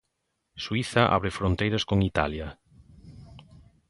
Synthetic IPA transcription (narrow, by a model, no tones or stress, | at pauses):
swiθaʔa̰βɾɪfɾont̪ejɾɐskoŋit̪a̰lja